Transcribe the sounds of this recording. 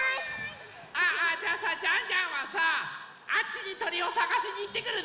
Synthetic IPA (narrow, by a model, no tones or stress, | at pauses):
aad͡ʑaːsad͡ʑãɲd͡ʑãɰ̃βasa | at͡ɕːiɲ̟it̪o̞ɾʲio̞saɡaɕiɲ̟iːt̪ːe̞kɯ̟ɾɯ̟